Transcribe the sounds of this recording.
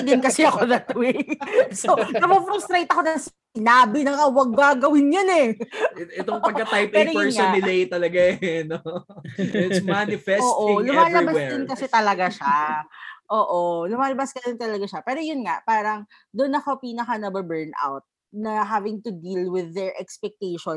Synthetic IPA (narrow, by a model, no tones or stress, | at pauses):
ɪd̪ɪnkɐsɛɐkoðɐt̪wejsonɐmɐfɾʊst̪ɾejt̪ɐko̞nɐŋs | ɪnaːbɪnɐŋʔɐwɐɡ̚baɡɐwɪnjʊnɛ | ɛt̪oŋpɐɡkːɐt̪ajpɛɾojɛɹsŋɛnɪlejt̪ɐlɐɡano | ɪtsmanɪfɛoːʔolʊmaːlɐbawsɛd̪ɪnkɐsɛt̪ɐlɐɡaʃa | ʔoːʔolʊmaːlɐbaskɐd̪ɪnt̪ɐlɐɡaʃɐpɛːɾo̞jʊnŋapaːɾɐŋ | d̪ʊnːɐkopiːnɐkɐnɐbɐbɛɹnʔa̰wt̪̚ | nɐɦavɪŋt̪ʊd̪ilwɪðːɛɹʔɛkspɛk̚t̪ejʃon